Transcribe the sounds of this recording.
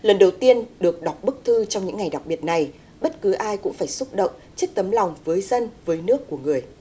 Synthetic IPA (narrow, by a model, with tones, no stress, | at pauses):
lə˨˩nɗə˨˩wt̪i˧ənɗɨ˨˩ək̚ɗɔ˨˩k͡p̚ɓɨ˦˥k̚t̪ʰɨ˧t͡ɕɔ˧ŋ͡mɲɨ̰˧˥ŋːa˨˩jɗa˨˩k͡p̚ɓi˨˩ət̚na˨˩j | ɓə˦˥t̚kɨ˨˦ʔaː˧jkʊ̰˧˥ŋ͡mfaː˧˩jsu˦˥k͡p̚ɗə̰˧˨ŋ͡m | t͡ɕi˦˥k̚t̪ə˨˦mla˨˩wŋ͡mvəː˨˦jzə˧nvəː˨˦jnɨ˦˥əkːu˧˩əŋɨ˨˩əj